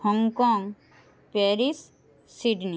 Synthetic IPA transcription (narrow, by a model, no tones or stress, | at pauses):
hɔŋɡkɔːŋɡ | peːɾis | siɖni